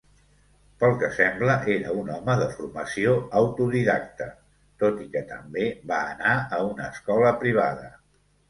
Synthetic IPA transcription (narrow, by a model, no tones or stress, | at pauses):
pəlˠkəsɛmbləʔeɾəunɔməðəfurməsioəwt̪uðiða̰k̚t̪ə | t̪ot̪ikət̪əmbeβaːnaəunəːskɔləpɾiβ̞aðə